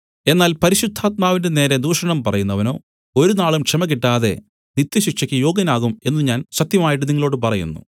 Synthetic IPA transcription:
e̞nːaːlpɐɾiɕud̪ʱːaːt̪̚maːʋindene̞ːɾɐd̪uːʂɐɳɐmpɐrɐjunːɐʋɐno̞ː | o̞ɾunaːɭumkʂɐmɐkiʈːaːðe̞̰ | nit̪ːjɐɕikʂɐkʲːɨjo̞ːɡɐnaːɣume̞nːuɲaːnɕɐt̪jɐmaːjiʈːɨniŋːɐɭo̞ːɽɨpɐrɐjṵnːṵ

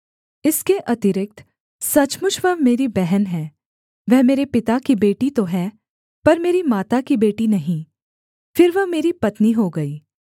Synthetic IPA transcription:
ɪskeʔɐt̪ɪɾɪk̚t̪ | sɐt͡ʃmʊt͡ʃʰʋɐɦmeːɾibɛɦɛnɦɛː | ʋɛɦmeːɾepɪt̪akibeːʈit̪oɦɛː | pɐɾmeːɾimaːt̪akibeːʈinɐɦĩː | fɪɾʋɐɦmeːɾipɐt̪niɦoɡɐiː

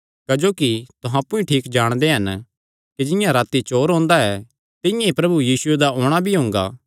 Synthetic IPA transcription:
kɐd͡ʒoːkit̪ʊɦãpːũĩʈʰiːkd͡ʒaːɽ̃d̪eɦɐn | kid͡ʒɪ̃jãɾaːt̪it͡ʃoːɾɦõːnd̪aɛ | t̪ɪ̃jãipɾɐbujiːsʊed̪aoːɽ̃abʱiɦõːŋɡa̰ː

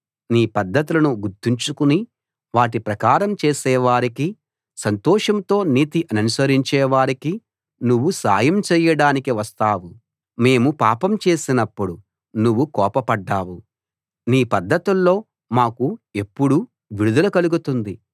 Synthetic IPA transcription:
niːpɐd̪ʱːɐt̪ilɐnuɡuɾt̪ːiɲt͡ʃukuni | ʋaːʈ̬ipɾɐkaːɾɐmt͡ʃeːsɛːʋaːɾiki | sɐnt̪ɔːʂɐmt̪o̞ːniːt̪iʔɐnɐnusɐɾiɲt͡ʃɛːʋaːɾiki | nuʋːusa̰ːjɐmt͡ʃɛːjɐɽaːnikiʋɐst̪aːwu | me̞ːmupaːpɐmt͡ʃe̞ːsinɐpːuɽu | nuʋːukɔːpɐpɐɖːaːwu | niːpɐd̪ʱːɐt̪ulːo̞ː | maːkue̞pːuɽu | ʋiɽud̪ɐlɐkɐluɡut̪und̪i

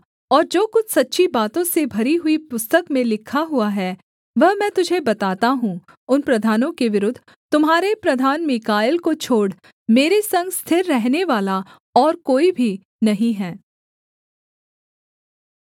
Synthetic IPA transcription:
ɔːɾd͡ʒoːkʊt͡ʃʰsɐtːʃʰibaːt̪õsebʱɐɾiɦʊipʊst̪əkmẽlɪkʰaɦʊaɦɛː | ʋɐɦmɛ̃ːt̪ʊd͡ʒʱebɐt̪aːt̪aɦũ | ʊnpɾɐd̪ʱaːnõkeʋɪɾʊd̪ʱː | t̪ʊmɦaːɾepɾɐd̪ʱaːnmɪkaːɪlkot͡ʃʰoːɽ | meːɾesɐ̃ŋɡst̪ʰɪɾːɛɦneʋaːla | ɔːɾkoːibʱi | nɐɦĩɦɛː

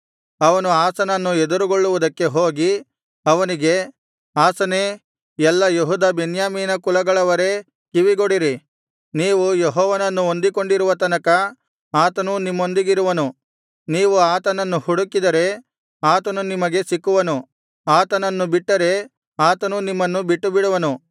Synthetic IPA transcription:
ɐʋɐnuaːsɐnɐnːuɛd̪uɾuɡoɭːuʋud̪ɐkːe̞ɦoːɡi | ɐʋɐniɡe̞ | aːsɐne | jɛlːɐjoɦud̪ɐbenjaːmiːnɐkulɐɡɐɭɐʋɐɾe̞ | kiʋiɡoɽiɾi | niːʋujeɦɔːʋɐnɐnːuond̪iko̞ɳɖiɾuʋɐt̪ɐnɐkɐ | aːt̪ɐnunimːo̞nd̪iɡiɾuʋɐnu | niːʋuaːt̪ɐnɐnːuhuɽukid̪ɐɾe̞ | aːt̪ɐnunimɐɡe̞sikːuʋɐnu | aːt̪ɐnɐnːubiʈːɐɾe̞ | aːt̪ɐnunimːɐnːubiʈːubiɽuʋɐnu

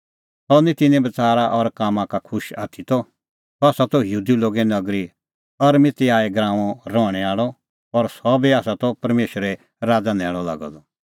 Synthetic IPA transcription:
sɔnĩt̪ɪnɛ̃bɐt͡saːɾaʔɔɾkaːmãkakʰʊʃa̰ːt̪ʰit̪ɔ | sɔaːsat̪ɔjɦuːd̪iloːɡɛnɐɡɾi | ɐɾmɪt̪iaːɛɡɾãːɔ̃ɾɔːɽ̃ɛaːɭɔ | ɔɾsɔbiaːsat̪ɔpɐɾmeːʃɾɛ | ɾaːd͡zanɛːɭ̃ɔla̰ːɡɔ̰d̪ɔ

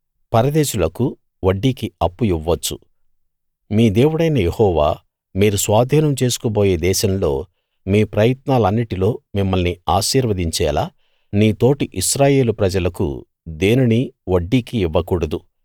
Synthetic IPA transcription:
pɐɾɐd̪eːʃulɐku | ʋɐɖːikiɐpːuiʋːɐt͡ʃːṵ | miːd̪e̞ːwuɽɐjnɐjehɔːʋa̰ː | miːɾusʋaːd̪ʱiːnɐmt͡ʃe̞ːsu̥koboːje̞ːd̪ɛːʃɐmlo̞ː | miːpɾɐjɐt̪naːlɐnːiʈilo̞ːmimːɐlniaːʃiːɾʋɐd̪iɲt͡ʃɛːlaː | niːt̪o̞ːʈiʔiʃɾaːje̞ːlupɾɐd͡ʒɐlɐkṵ | d̪e̞ːniniʋɐɖːikiːʋːɐkuːɽɐd̪u

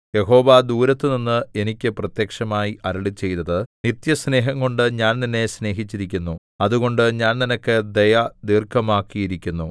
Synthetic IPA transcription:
je̞ɦo̞ːʋad̪uːɾɐt̪ːɨninːɨe̞nikʲːɨprɐt̪jekʂɐmaːjiʔɐɾɐɭit͡ɕːe̞jt̪ɐðɨnit̪jɐsne̞ːɦɐŋɡo̞ɳɖɨɲaːnninːe̞sne̞ːɦit͡ɕːiɾikʲːunːu | ɐðuɣo̞ɳɖɨɲaːnninɐkːɨd̪ejɐd̪iːrkʰːɐmaːkːijiɾikʲːunːu

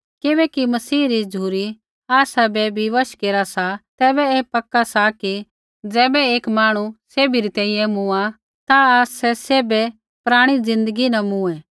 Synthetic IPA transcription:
kɪbɛkimɐsiːɾid͡ʒuːɾi | aːsabɛbʱiʋɐʃkeːɾasat̪ɛːbɛeːpɐkːasaki | d͡zɛːbɛeːkmaːɽ̃useːbiɾit̪ɛ̃ːĩjɛ̃mʊ̃a | t̪aaːsːɛseːbɛ | pɾaːɽ̃id͡zɪ̃nd̪əɡinɐmũɛ̃ː

